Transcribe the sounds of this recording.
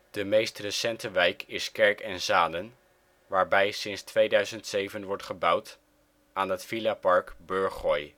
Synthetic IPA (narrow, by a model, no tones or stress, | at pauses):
d̥əmejstrəsɛntəʋɛjkɪskɛɹkɛnzaːdən | ʋaːɹbɛjsɪnstʋejdœɥzəntsejvənʋɔɹtχəbʌwt | ʔaːnɦətfilapɑɹkbɵɹχɔj